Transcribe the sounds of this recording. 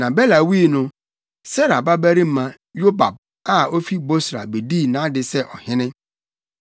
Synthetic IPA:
nã˨bɛ˦la˨wi˦nʊ̃˦ | sɛ˦ɾa˨ba˦bæ˦ɾi˦m̩˦mã˦ | jo˦ba˨b̚ | a˦o˦fi˦bo˦sɾa̰˨be˨di˦˨nã˨˦dɪ˨sɛ˦ʔɔ˨hɪ̃˦nɪ̃˦

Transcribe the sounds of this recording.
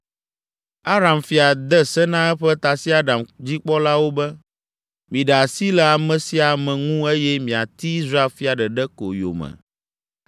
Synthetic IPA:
a˦ɾa˨mfi˨a˨d̪ɛ˦sɛ˦nã˦ɛ˦ɸɛ˦t̪a˨si˦a˦ɖa˨md͡ʑi˦k͡pɔ˦la˦wo˦bɛ˦ | mĩ˨ɖa˨si˦lɛ˨a˨mɛ̃˨si˦a˨mɛ̃˨ŋũ˦e˦jɛ˦mĩ˨a˨t̪i˦i˦zɾa˦e˦lfi˦a˨ɖɛ˨ɖɛ˦ko̰˨jo̰˨mɛ̰̃˨

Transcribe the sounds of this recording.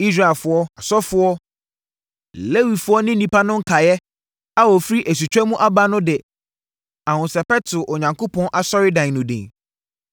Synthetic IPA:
i˦s̬ɾa˨ɛ˨fʊ˦ɔ˦a˨sɔ˦fʊ˦ɔ˦ | le˦wi˨fʊ˦ɔ˦nɪ̃˦nĩ˦pa˦nʊ̃˦ŋ̩˦kʰa˨jɛ˦ | a˦wɔ˨fɾi˦ʔe˨s̬u˨t͡ɕʰᶣɛ˦mũ˦ʔa˦ba˦nʊ̃˦dɪ˨ | ã˨hʊ̃˨sɛ˨pɛ˦tʰʊ˨ʔɔ˨ɲã˨ŋkʰo˦pʰɔ̃˦nʔa˨sɔ˦ɾɪ˦dã˨ŋnʊ̃˨dɪ̰̃˨

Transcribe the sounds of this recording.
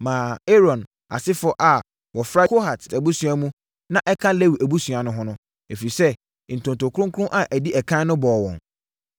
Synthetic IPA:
mãː˨e˦ɾɔ̃˨n | a̰˨sɪ˦fɔ˦ʔa˨ | wɔ˨fɾa˦kʰo˦ha˨tæ˨bu˦su˨a˦mũ˦ | nã˦ʔɛ˦kʰã˦le˦wi˨ʔæ˨bu˦su˨a˨nʊ̃˦ɦʊ̃˦nʊ̃˦ | e˨fi˨sɛ˦ | n̩˨tʰʊ̃˨ntʊ˨kʰʊ̃˦ŋkʰʊ˦ʊ̃˦ʔa˨ʔæ˨di˦ʔɛ˨kʰã˦nʊ̃˦bɔː˨wɔ̰̃˨ŋ

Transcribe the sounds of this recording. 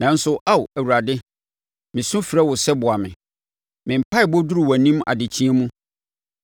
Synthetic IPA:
nã˨n̩˦sʊ˦ʔa˦wæ˨wu˨ɾa˨dɪ˦ | mɪ̃˨sʊ̃˦fi˨ɾɛ˦wʊ˨sɛ˦bʊ˨a˨mɪ̃˨ | mɪ̃˨m̩˨pʰa˦ɪ˨bɔ˦dʊ˦ɾʊ˨wa˨nĩ˦m˦a̰˨dɪ˨t͡ɕʰĩ˦ɛ˦mũ˦

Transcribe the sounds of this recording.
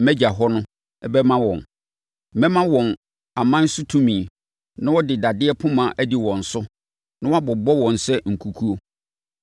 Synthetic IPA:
mɛ˦d͡ʑa˨ɦɔ˦nʊ̃˦ | ɛ˦bɛ˦mã˦wɔ̰̃˨n̩˨˦ | mɛ̃˦mã˦wɔ̃˨n | a˨mã˦n̩˦sʊ˦tʰũ˦mĩ˨ | nã˦wɔ˦dɪ˨da˨dɪ˦ɛ˦pʰʊ̃˦mã˨ʔæ˦di˨wɔ̃˨n̩˨sʊ˦ | nã˦wɔ˦a˦bɔ˨bɔ˦wɔ̃˨n˨sɛ˦ŋ̩˨kʰu˨kʰu˦o˦

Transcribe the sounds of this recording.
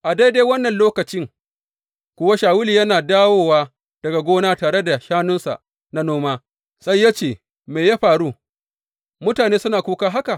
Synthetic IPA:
ʔa˨da˦jde˦wɐ˦nːɐ˨nloː˦kɐ˨t͡ʃɪ˦ŋ | kʷʊ˦wa˦ʃaː˨wʊ˦liː˨jɐ˦naː˨daː˦woː˦waː˦ | d̥ɐ˨ɡa˨ɡʷoː˦naː˦taː˨ɽe˦da˨ʃaː˦nʊ˦nsa̰˨ʔ | na˦noː˦maː˦ | sa˦jːa˦t͡ʃeː˨ | meː˨jaː˦ɸaː˨ɽu˦ | mʊ˦taː˨neː˦sʊ˦naː˨kʷuː˦kaː˦ɦa˦ka˨

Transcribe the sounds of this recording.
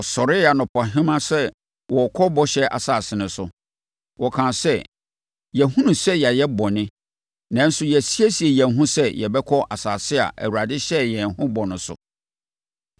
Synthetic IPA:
ɔ˨sɔ˨ɾɪ˦a˨nʊ̃˨pʰɔ˨ɦɪ̃˦mã˦sɛ˦ | wɔ˨kʰɔ˦bɔ˦ɕɛ˦ʔa̰˨saː˨sɪ˨nʊ̃˨sʊ˨ | wɔ˨kʰã˨sɛ˦˨ | jɛ˨hũ˦nũ˨sɛ˦ja˨jɛ˦bɔ˨nɪ̃˦ | nã˨˦n̩˦sʊ˦jɛ˨si˦æ˦si˨ɛ˨jɛ̃˨nɦũ˦sɛ˦jɛ˨bɛ˦kʰɔ˦ʔa˨saː˨sɪ˦a̰˨ʔæ̰˨wu˨ɾa˨dɪ˦ɕɛ˦jɛ̃˨nhʊ̃˦bɔ˨nʊ̃˨sʊ̰˨

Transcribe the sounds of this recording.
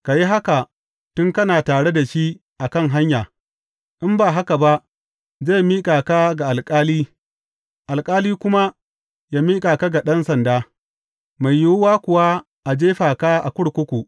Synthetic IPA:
ka˨ji˦ɦa˦ka˨ | tʊ˦ŋkɐ˦naː˨taː˨ɽe˦da˨ʃi˦ | ʔa˨kɐ˦ŋɦa˦ɲjaː˨ | ʔɪ˦mbaː˨ɦa˦ka˨ba˦ʔ | za˦˨jmiː˦kʼaː˨ka˦ɡa˨ʔa˨lkʼaː˦liː˦ | ʔa˨lkʼaː˦liː˦kʷʊ˦ma˦ | jaː˦miː˦kʼaː˨ka˦ɡa˨ɗɐ˦nsɐ˨ndaː˦ | ma˨jːʊ˦wʊ˦waː˦kʷʊ˨wa˦ | ʔa˨d͡ʒeː˦ɸaː˨ka˦ʔa̰˨kʷʊ˦ɽkʷʊ˦kʷu˨

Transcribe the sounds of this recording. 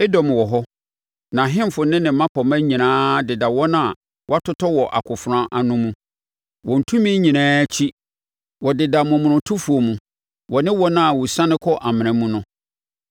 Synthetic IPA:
ɛ˦dɔ˨m˨wɔ˨ɦɔ˦ | nã˨ɦɪ̃˦m˨fʊ˨nɪ̃˦nɪ̃˨˦mã˦pʰɔ˨mã˦ɲĩ˨nãː˦dɪ˨da˨wɔ˦nã˦˨ | wɔ˦a˦tʰʊ˦tʰɔ˦wɔ˨ʔa̰˨kʰʊ˨fʊ˨ɾã˦ʔa˨nʊ̃˦mũ˦ | wɔ̃˨n̩˨tʰũ˦mĩ˦ɲĩ˨nãː˦t͡ɕʰi˦ | wɔ˨dɪ˨da˨mʊ̃˨m̃˨nʊ̃˨tʰʊ˦fu˨o˨mũ˨ | wɔ˨nɪ̃˦wɔ˦nã˦˨wɔ˨sã˦nɪ̃˦kʰɔ˦ʔa˨mɪ̃˨ɾã˨mũ˦nʊ̃˦

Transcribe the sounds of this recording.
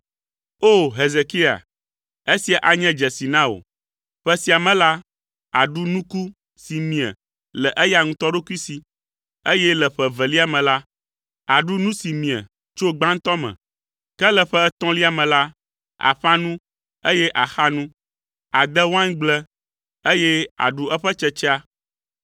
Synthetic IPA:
o˦ɦe˨ze˨ki˦a̰˨ | e˦si˨a˨ʔa˨ɲɛ̃˦d͡ʒɛ˨si˨nã˦o̰˨ | ɸɛ˦si˨a˨mɛ̃˨la˦ | a˨ɖu˦nũ˦ku˦ | si˨mĩ˨ɛ̰˨ | lɛ˨ʔɛ˦ja˨ŋũ˦t̪ɔ˦ɖo˦ku˦i˦si˨ | e˦jɛ˦lɛ˨ɸɛ˨vɛ˨li˦a˨mɛ̃˨la˦ | a˨ɖu˦nũ˦si˨mĩ˨ɛ̰˨ | t͡ʃo˦ɡ͡bã˦ŋ̩˦t̪ɔ˦mɛ̰̃˨ | kɛ˦lɛ˨ɸɛ˦t̪ɔ̃˦li˦a˨mɛ̃˨la˦ | a̰˨ɸa˦nũ˦ | e˦jɛ˦ʔa˨xa˦nũ˦ | a˨d̪ɛ˦wã˦ŋɡ͡blɛ˦ | e˦jɛ˦a̰˨ɖu˦ɛ˦ɸɛ˦t͡ʃɛ˦t͡ʃɛ˦a˦

